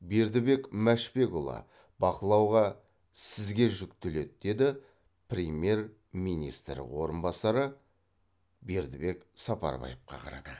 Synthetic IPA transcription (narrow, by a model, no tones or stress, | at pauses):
be̞ɾd̪ɪbe̞kmæʃpe̞kulˠɑ̰ | bɑqəlˠɑwʁɑ | sɪzɡʲe̞ʒʏkt̪ɪle̞t̪̚d̪̥e̞d̪ɪ | prʲemje̞ɾ | mijnḭst̪ɾ̰wo̞ɾənbɑsɑɾə | be̞ɾd̪ɪbe̞ksɑpɑ̰ɾbɑ̰jəp̚qɑ̰qʰɑ̰ɾɑ̰d̪ə